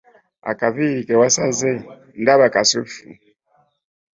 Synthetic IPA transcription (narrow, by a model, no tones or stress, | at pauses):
a̰kaviɾikɛwasaze | n̩daβakasufḭ